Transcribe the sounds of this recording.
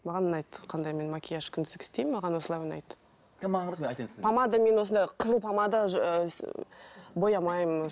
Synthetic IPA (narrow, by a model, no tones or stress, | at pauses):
mɑʁɑnənɑjt̪qʰɑnd̪ɑjme̞nmakʲʰijaʃkʲʰʏnd̪ɪzd̪ɪkɪ̥st̪e̞jmɑʁɑnwo̞səlˠɑjwʊnɑ̰jt̪ | kmɑɴzjt̪ɑnsɪzpʰɑmɑd̪əme̞nwo̞sənd̪ɑjqʰəzəlˠpʰɑmɑd̪əʒ | bo̞jɑmɑjm